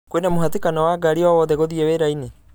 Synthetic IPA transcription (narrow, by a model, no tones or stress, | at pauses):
kwenamoɦatikanɔwaɡaɾiawɔðɛɣoðiɛweɾaine